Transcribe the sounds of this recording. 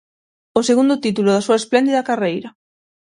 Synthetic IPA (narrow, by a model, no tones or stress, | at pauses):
oseɣund̪ʊt̪it̪ulʊðasuɐesplɛnd̪iðɐkarejɾɐ